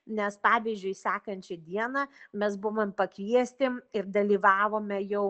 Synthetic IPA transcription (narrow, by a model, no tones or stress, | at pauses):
nʲɛspɑːʋʲiːzʲd͡ʒʲʊɪsʲæːkɐnʲt͡ʃʲɛd̪ʲiɛnɐmʲɛsbʊʋompɐkʋʲiɛsʲt̪ʲɪmɪrd̪ɐlʲiːʋɑːʋoːmʲɛjɛʊ